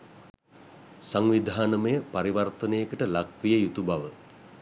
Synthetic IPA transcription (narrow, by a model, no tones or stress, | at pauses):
saŋʋid̪ʱaːnəməjəpaɾiʋart̪ənəjəkəʈəlakʋijəjut̪ubaʋə